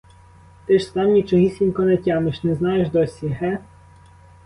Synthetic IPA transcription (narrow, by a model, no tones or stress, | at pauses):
t̪ɪʃsɑmnʲit͡ʃɔɦisʲinʲkɔnɛtʲɑmɪʃnɛznɑjeʒd̪ɔsʲiɦɛ